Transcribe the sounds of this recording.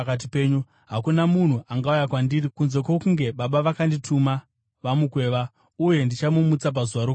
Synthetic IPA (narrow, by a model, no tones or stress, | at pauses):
kat̬ipe̞ːɲu | ɦakunamun̤uʔaŋɡaujakwandirikunze̞kwo̞kuŋɡe̞ɓaɓaʋakanditʰuma | ʋamukwe̞ːʋa | uje̞ndit͡ʃamumut͡sap̬azuʋaɾo